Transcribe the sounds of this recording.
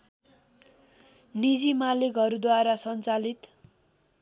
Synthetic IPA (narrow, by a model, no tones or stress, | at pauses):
nid͡zimalekʌɾud̪waɾasʌnt͡salit̪